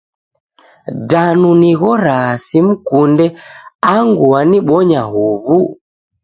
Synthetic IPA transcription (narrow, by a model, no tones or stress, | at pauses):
danuniɣɔɾasim̩kundɛaŋɡuaniɓɔɲaɦuβu